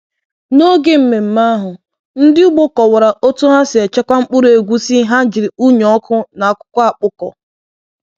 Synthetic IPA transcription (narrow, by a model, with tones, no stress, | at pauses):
no˦ɡe˦m̩˨me˨m̩˨ma˦ɦʊ˨ | n̩˦dɪ˦u˦ɡ͡bo˦kɔ˨wa˨ɾa˨ʔo˦tu˦ɦa˦sɪ˨e˨t͡ʃa˦kʷa˦ŋ͡m̩˦k͡pʊ˦ɾe˨ɡʷu˦si˦ɦa˦d͡ʒɪ˨ɾi˨u˦ɲ˨ɔ˦kʊ˦na˨a˨kʷʊ̥˦kʷa˦a˨k͡pʊ˦kɔ̰˨